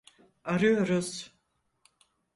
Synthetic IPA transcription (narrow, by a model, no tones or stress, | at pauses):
aɾujoɾuz